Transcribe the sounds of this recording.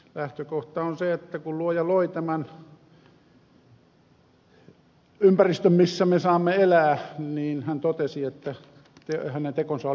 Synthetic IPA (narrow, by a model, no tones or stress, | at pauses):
læht̪økoht̪ɑonseet̪ːækulluojɑloit̪æmæn | ympærist̪ømmisːæmesɑːmːeelæːniːnhænt̪ot̪esiet̪ːæ | t̪ehænent̪ekonsɑo